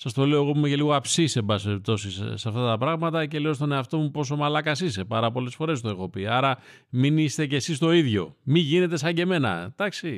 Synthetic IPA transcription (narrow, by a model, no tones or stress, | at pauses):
sɐst̪o̞le̞oɣopumeceliɣoɐpsise̞mbɐsesip̚t̪o̞sissɐft̪ɐt̪ɐpɾɐɣmɐt̪ɐce̞lio̞st̪o̞ne̞ɐft̪o̞mupo̞so̞mɐlɐkɐsise̞pɐɾɐpo̞le̞sfo̞ɾe̞st̪oe̞xo̞piɐɾɐ | minist̪e̞ce̞sist̪o̞iðʝo̞̰miʝine̞t̪e̞sɐɲɟe̞me̞nɐ̰d̪̥ɐksi